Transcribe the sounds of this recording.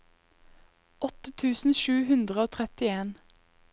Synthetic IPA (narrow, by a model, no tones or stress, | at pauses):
ɔt̪ət̪ʰʉːsn̩ʃʉːhʉnd̪ʁəoːt̪ʰʁɛt̪ɪeːn